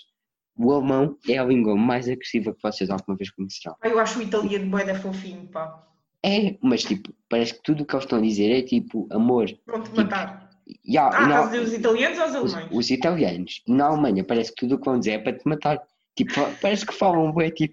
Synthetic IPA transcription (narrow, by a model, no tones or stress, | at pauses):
uɐlˠmɐ̃w̃ɛɐlˠĩŋɡwɐmajzɐɣɾɨsivɛlˠkvɔsezalˠɣumɐveʃkuɲsɨɾɐ̰̃w̃aewaʃuit̪ɐlˠjɐnbwɛðɐfõfiɲpa | ɛmɐʃt̪ipu̥pɐɾɛsk̚t̪uðuːkelˠʃt̪ɐ̃w̃ɐðizeɾɛt̪ipuɐmoɾvɐ̃w̃t̪mɐipt̪aɾ | anɐ̃d̪izeɾuzit̪ɐlˠjɐnuzɔuzɐlˠmɐ̃j̃ʃuzit̪ɐlˠjɐnuʃnɐalˠmɐ̃ɲɐpɐɾɛsk̚t̪uðuukvɐ̃w̃d̪izeɾɛpɾɐt̪mɐt̪aɾ | t̪ipu̥fapɐɾɛskfalˠɐ̃w̃boɛt̪ipu